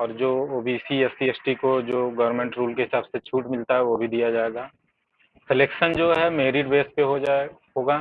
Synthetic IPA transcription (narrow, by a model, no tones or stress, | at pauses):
ɔːɾd͡ʒoːoːbisiesiesʈikod͡ʒoːɡɐʋɾmẽːɳʈɾuːlkeɦɪsaːbset͡ʃʰuːʈmɪlt̪aɦɛʋobʱid̪ijad͡ʒaːeɡaː | sɪleːkʃənd͡ʒoːɦɛmeːɾɪɖbeːs̚peɦoaɦoːɡaː